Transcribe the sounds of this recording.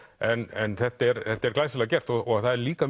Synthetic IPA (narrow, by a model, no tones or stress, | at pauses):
ɛnɛnθɛht̪ɛɾθɛt̪ɛɾklaːjslacɛr̥t̪ɔɔθaðɛɾliːkam